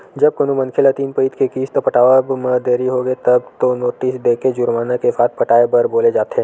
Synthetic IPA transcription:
d͡ʒɐb̚konõmɐ̃nkʰelət̪iːnpəit̪kekiːst̪opɐʈaːʋəbmə̃d̪eːɾiɦoɡəet̪ɐbt̪onoːʈisd̪eːked͡ʒʊɾmaːnakesaːt̪̚pɐʈaːebɐɾboːled͡ʒaːt̪ẽː

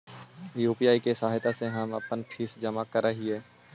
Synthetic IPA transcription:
juːpijaːikesaːɦɪt̪aseɦɐmɐ̰pənʈʰiːsd͡ʒəmakəɾːəɦiɦɛː

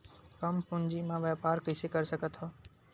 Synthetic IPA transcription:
kɐmpʊ̃ɲd͡ʒimãːʋaːpaːɾkəːsekɐɾsəkət̪ʰɔː

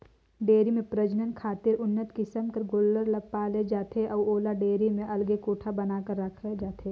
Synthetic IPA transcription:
ɖeːɾimẽpɾɐd͡ʒnənkʰaːt̪ɪɾʊnːət̪kisəmkɐɾɡoːlːəɾlɐpaːled͡ʒaːt̪ʰeʔɔːoːlaɖeːɾimẽʔɐlɡekuːʈʰabɐnaːkəɾːɐkʰed͡ʒaːt̪ʰeː

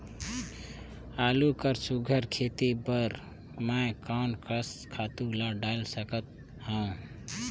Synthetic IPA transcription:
alukəɾsuɡʱəɾkʰet̪ibəɾ | makaʊnkəskʰat̪ulaɖaɪlsəkət̪̚ | hã

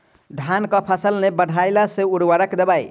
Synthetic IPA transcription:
d̪ʱankəpʰəsəlnebəɽʱajlaseuɾwəɾəkd̪ebaj

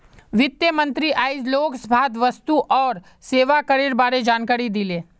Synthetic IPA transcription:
ʋɪt̪jəmɐ̃nt̪ɾiʔaːɪd͡ʒloːksbʱaːd̪ʋɐst̪uʔɔːɾ | seːʋakəɾeːɾbaːɾed͡ʒaːnkaːɾid̪ileː

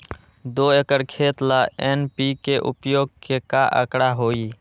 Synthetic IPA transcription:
d̪oːekəɾkʰeːt̪laeːnpikeʔʊ̰pjoːɡ̚kekaʔə̰kɽaɦoːiː

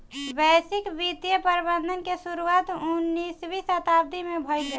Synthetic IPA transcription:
bɛsɪkbit̪jəpəɾbə̃nd̪ʱənkesuɾuat̪unːisbisət̪abd̪ʱimẽbʱɔjɡe

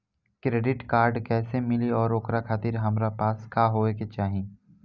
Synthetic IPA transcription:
kɾeːɖɪʈkaːɾɖkɛːsemɪliɔːɾokɾakʰaːt̪iɾɦɐmɾapaːskaːɦoːeket͡ʃaːɦĩ

